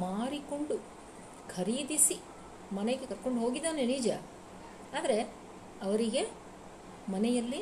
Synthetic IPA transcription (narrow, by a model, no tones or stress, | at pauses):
maːɾiko̞ɳɖu | kʰɐɾiːd̪isi | mɐneɡekɐɾko̞ɳɖɦo̞ːɡid̪ːaːneniːd͡ʒɐ | aːd̪ɐɾe̞ | ɐʋɐɾiɡe̞ | mɐnɛjɐlːi